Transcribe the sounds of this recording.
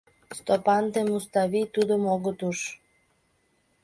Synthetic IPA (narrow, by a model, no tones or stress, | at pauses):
st̪opɑnt̪emust̪ɑβit̪ud̪omoɣət̪uʃ